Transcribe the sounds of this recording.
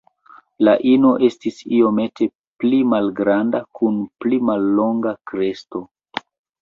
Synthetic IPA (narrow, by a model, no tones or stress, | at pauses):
laʔino̞ʔe̞stisio̞me̞te̞ | plimalɡɾandakunplimalːo̞ŋɡakɾe̞sto̞